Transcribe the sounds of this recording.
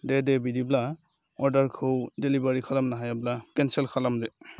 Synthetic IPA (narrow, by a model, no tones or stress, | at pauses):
dɛdɛbidibla | ɔɹdaɹkʰowdelibaɹikʰalamnaɦajablakɛnsɛlkʰalamdɛ